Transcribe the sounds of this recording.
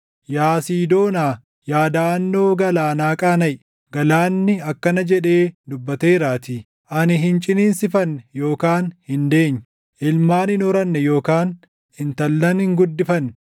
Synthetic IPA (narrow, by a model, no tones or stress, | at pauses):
jaːsiːd̪o̞ːnaː | jaːd̪aːnːo̞ːɡɐlaːnaːkʼaːnɐj | ɡɐlaːnːɪɐkːɐnɐd͡ʒɛᶑe̞ːd̪ʊbːɐt̪eːɾaːt̪iː | ʔɐnɪɦɪnt͡ʃʼɪniːnsɪfɐnːɛjo̞ːkaːnhɪnd̪e̞ːɲː | ʔɪlmaːnɪnɔɾɐnːɛjo̞ːkaːn | hɪnt̪ɐlːɐnhɪŋɡʊd̪ːɪfɐn